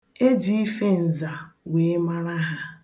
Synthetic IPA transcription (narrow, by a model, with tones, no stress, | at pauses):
e˦d͡ʒi˦i˦fe˦n̩˨za˨we˨˦ma˦ɾa˦ɦa˦